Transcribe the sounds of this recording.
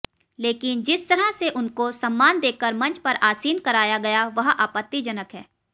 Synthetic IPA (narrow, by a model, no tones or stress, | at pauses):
leːkɪnd͡ʒɪst̪ɐɾaseʔʊnkosɐ̃mːaːnd̪eːkəɾmɐ̃nt͡ʃpɐɾʔaːsiːnkɐɾaːjaɡɐjaʋɐɦaːpət̪ːid͡ʒɐnəkɦɛː